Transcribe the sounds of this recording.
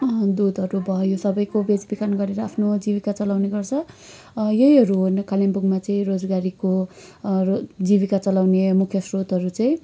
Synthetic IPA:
d̪ud̪ʱʌɾubʱʌjosʌbʌjkobed͡zbikanɡʌɾeɾʌapʰnod͡zibikat͡sʌlawneɡʌrt͡sʰʌ | jʌɦjɦʌɾuɦnkalembuɡmat͡sʌĩrod͡zɡaɾiko | d͡zibikat͡sʌlawnemukʰjʌsrot̪ɦʌɾut͡sʌĩ

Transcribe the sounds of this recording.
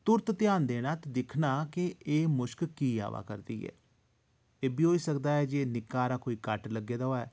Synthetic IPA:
t̪ʊɾt̪t̪ɪjaːnd̪eːñãːt̪d̪ɪkʰnaːkɪeːmʊʃkkiːa̰ːʋa̰ːkəɾd̪ḭːɛ̰ː | eːbiːɦoːiːsəkd̪aːɛːd͡ʒeːnɪkːaːɾaːkoːiːkəʈləɡeːd̪aoaɛː

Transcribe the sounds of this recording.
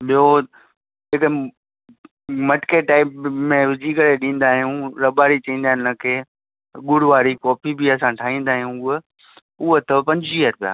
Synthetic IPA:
ɓijo | d͡ʑeːkə | mɐʈkeʈaːɪpmẽʋɪd͡ʑʱiːkəɽeɗĩːn̆d̪aːɦijũɾɐbaːɾit͡ɕɐĩːn̆d̪aːɪnəkʰeː | ɡʊɽʋaːɾikɔːpʰibʱiɐsãʈʰaːɦĩːn̆d̪aːɦijũʊɦ | ʊɦət̪ɐpɐ̃ɲd͡ʑiəɾpija̰ː

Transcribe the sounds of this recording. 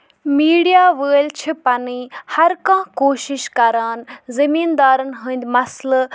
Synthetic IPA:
miːɽijaːʋəːlt͡ʃʰipɐniːhɐɾkãːkoːʃɪʃkɐɾaːnzɐmĩːnd̪aːɾənɦə̃ːnd̪mɐsl

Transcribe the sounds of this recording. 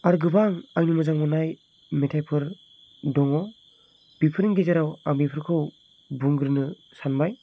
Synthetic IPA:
aɾɡɯbaŋajnɯmɯzaŋmɔnaj | metʰajpʰɯɾ | dɔŋɔ | b̥ipʰɯɾɯŋɡezeɾawaŋbipʰɯɾkʰɯw | buŋɡɯɾɯnɯ | sanbaj

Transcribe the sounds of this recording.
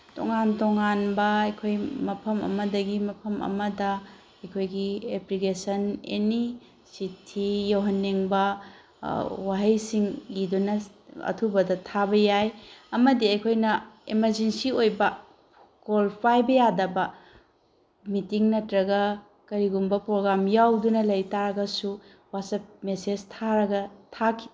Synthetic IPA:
to̰ŋantoŋanbɐɐjkʰojmɐpʰɐmɐ̰mɐdɐɡimɐpʰɐmɐ̰mɐdɐ | ɐjkʰojɡieplikesɐnḛni | sitʰijowɦɐnːeŋbɐ | waɦɐjsiŋlidunɐɐ̰tʰubɐdɐtʰabɐjajɐmɐdiɐjkʰojnɐemɐɾd͡ʒensiojbɐ | kolpʰajbɐjadɐbɐ | mitiŋnɐtɾɐɡɐ | kɐɾiɡumbɐpɾoɡɾamjawdunɐlɐjtaɾɐɡɐsu | wasɐp̚mesed͡ʒtʰaɾɐɡɐtʰakʰi̥

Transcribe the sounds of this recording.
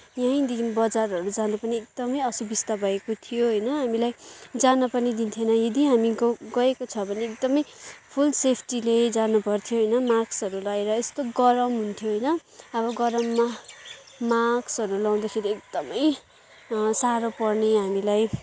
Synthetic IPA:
jãĩd̪inbʌd͡zarʌɾud͡zanupʌniek̚d̪ʌmʌjʌsubist̪abʱʌekot̪ʰijoɦʌjnʌɦamilajd͡zanʌpʌrnid̪int̪ʰjenʌjʌd̪iɦamiɡʌekot͡sʰʌbʱʌneek̚d̪ʌmʌjpʰulsepʰʈiled͡zanupʌrt̪ʰjoɦʌjnʌmaksʌɾulaeɾʌest̪oɡʌɾʌmɦunt̪ʰjoɦʌjnʌʌβʌɡʌɾʌmːa | maksʌɾulaw̃d̪akʰeɾiek̚d̪̥ʌmʌj | saɾopʌrneɦamilaj

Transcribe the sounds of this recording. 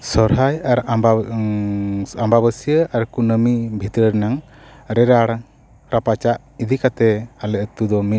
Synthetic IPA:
sɔɾɦajaɾaba | ambabəsijəʔaɾkunəmibʱit̪ɾəɾnaŋ | ɾɛɾaɽ | ɾapat͡ʃaʔ | id̪ikat̪ɛalɛʔt̪ud̪ɔmi

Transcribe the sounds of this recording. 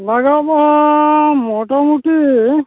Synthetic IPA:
laɡaba | mɔʈɔmuʈi

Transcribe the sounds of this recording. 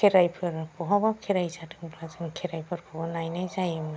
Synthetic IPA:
kʰeɾajpʰɯɾpɔɦɔbakʰeɾajzadɯŋbɾazɯnkʰeɾajpʰɯɾkʰɔbɔnajnajzajɯm

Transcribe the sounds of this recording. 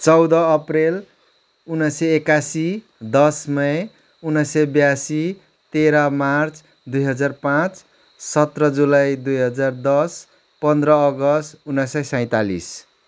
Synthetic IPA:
t͡sʌwd̪ʌːprel | unːʌsʌekasi | d̪ʌsmʌe | unːʌsʌbjasi | t̪eɾamart͡s | d̪ujɦʌd͡zarpãt͡s | sʌt̪rʌd͡zulajd̪ujɦʌd͡zard̪ʌs | pʌnd̪ɾʌːɡʌst̪unːʌsʌjsʌ̃j̃t̪alḭs

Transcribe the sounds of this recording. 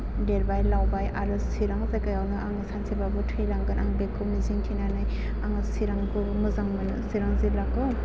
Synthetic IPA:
deɾbajlawbajaɾɯsiɾaŋzajkajawnɯaŋɯsansibabɯtʰɾilaŋɡɯnʔaŋbekʰːɯmiziŋtʰinanaj | aŋɯsiɾaŋkʰɯmɯzaŋmanɯsiɾaŋzilakɯ

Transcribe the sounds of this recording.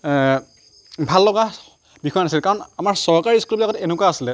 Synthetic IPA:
bʱalːɔɡa | bixɔjɔnasilkaɹɔnamaɹsɔɹkaɹiskulbilakɔtɛenʊkwaːsilɛ

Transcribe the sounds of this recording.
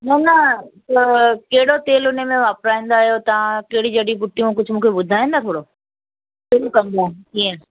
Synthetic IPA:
nɐnɐt̪ɐkeɦɪɽot̪eːlʊnəmẽʋaːpɾaːĩːn̆d̪aːɦjot̪ɐʋãkɐɦɪɽid͡ʑɐɗibʊʈːijũkʊd͡ʑʱʊ̆mũːkʰeɓʊd̪ʱaːĩnd̪at̪ʰoːɽo | sɪɾũkɐ̃nd̪akiːẽ

